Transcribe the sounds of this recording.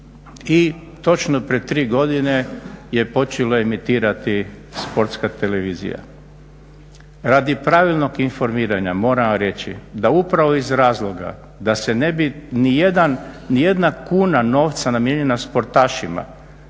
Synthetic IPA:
i | t̪o̞t͡ʃnopɾiet̪ːɾiːɡo̞d̪ine̞je̞po̞t͡ʃeloemit̪iːɾat̪i | spo̞ɾt̪skat̪e̞le̞ʋiːzḭja̰ | ɾaːd̪ipɾaʋilno̞ɡinfo̞ɾmiːɾaɲamo̞ːɾamoɾe̞t͡ʃḭd̪aupɾaʋo̞izɾaːzlˠo̞ɡa̰ | d̪ase̞nebinijed̪anːije̞d̪nakuːnano̞ːʋt̪sanamjeɲe̞naspo̞ɾt̪aːʃima̰

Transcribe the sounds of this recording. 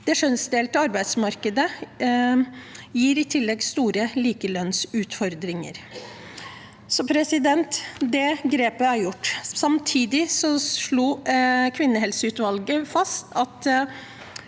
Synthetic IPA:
d̪̥ɛʂœnsd̪eːlt̪əɑɾbæɪd̪smɑɾkəd̪ə | jiːɾɪt̪ʰɪlːɛɡst̪uːɾəliːkəlœnsʉːt̪fɔɾd̪ɾɪŋə̰ɾ | sɔpʰɾɛsɪd̪ɛnt̪d̪ɛɡɾeːpəæɾjʊʈːsɑmt̪ʰiːd̪ɪsɔʂɭuːkʰʋɪnːəɦɛlsəʉːt̪ʋɑlɡəfɑst̪ʰɑt̪

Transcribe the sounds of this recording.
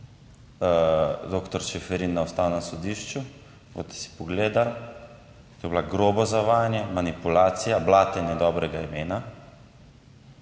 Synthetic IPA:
d̪oːkt̪ɔɾʃɛfɛɾinːaɔst̪aːwnasɔd̪iːʃt͡ʃu | bo̰t̪ɛ̥si̥pɔɡleːd̪al | t̪ojɛblaɡɾoːbɔzaʋaːjnjɛmanipulaːt̪sijablaːt̪ɛnɛd̪ɔbɾɛɡaimeːna

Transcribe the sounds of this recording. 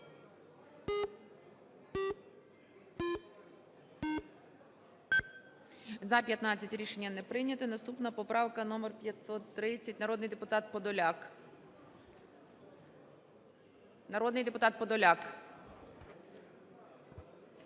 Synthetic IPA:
zɐpʲjɐt̪nɑt͡sʲːɐtʲɾʲiʃe̞nʲːɐnɛpɾɪjnʲɐt̪ɪnɐst̪upnɐpɔpɾɑwkɐnɔmɛrpʲjɐt̪ʲsɔt̪ːɾɪt͡sʲːɐtʲnɐɾɔd̪nɪjd̪epʊt̪ɑt̪̚pɔd̪ɔlʲɑk | nɐɾɔd̪nɪjd̪epʊt̪ɑt̪̚pɔd̪ɔlʲɑk

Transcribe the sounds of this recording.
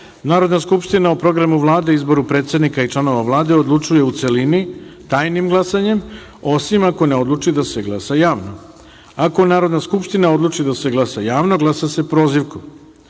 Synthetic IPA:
naːɾo̞d̪naskupʃt̪inaopɾo̞ɡɾamuʋlˠaːd̪e̞izbo̞ɾupɾe̞ːt̪se̞d̪nikait͡ʃlˠano̞ʋaʋlˠaːd̪e̞od̪lˠut͡ʃuje̞ut̪se̞linit̪aːjnimɡlˠasaɲe̞m | o̞simako̞ne̞od̪lˠut͡ʂid̪ase̞ɡlˠasajaːʋno | ako̞naːɾo̞d̪naskupʃt̪inao̞d̪lˠut͡ʂid̪ase̞ɡlˠasajaːʋno̞ɡlˠasase̞pɾo̞ːziʋko

